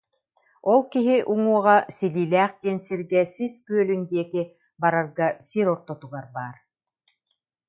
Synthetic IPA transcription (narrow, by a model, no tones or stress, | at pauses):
ɔlˠkiɦiʔuŋuɔʁasiliːlʲæːχd̪iɛnsiɾɡɛsiskyœlynd̪iɛki | baɾaɾɡasiɾɔɾt̪ɔt̪uɡaɾbaːɾ